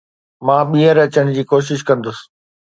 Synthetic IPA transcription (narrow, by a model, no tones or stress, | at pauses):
mãːɓĩːə̃ɾɐt͡ɕəɽ̃ɪ̆d͡ʑiːkoːʃ̬ɪʃkɐ̃nd̪ʊs